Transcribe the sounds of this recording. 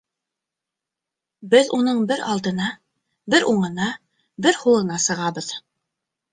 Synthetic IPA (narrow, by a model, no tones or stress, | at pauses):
bɘðunɤɴbɘɾɑlˠd̪ɤ̆nɑ | bɘɾʔuɴɤ̆nɑ | bɘɾhulˠɤ̆nɑsɤ̆ʁɑβɤð